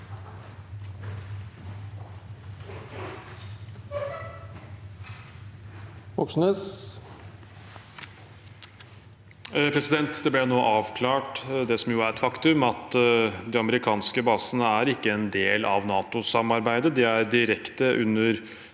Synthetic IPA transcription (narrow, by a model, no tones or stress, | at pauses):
ʋɔksnəs | pʰɾɛsɪd̪ɛnt̪d̪ɛblɛnoːʔɑːʋkʰlɑːʈd̪ɛsɔmjʊːæɾɛt̪fɑkt̪ʉmɑt̪d̪ɛɑməɾɪkʰɑːnskəbɑːsənəæɾɪkːəɛnd̪eːlʔɑ̰ʋnɑːt̪ʊsɑmɑɾbæɪd̪əd̪ɛæɾd̪ɪɾɛkt̪əʔʉnːəɾ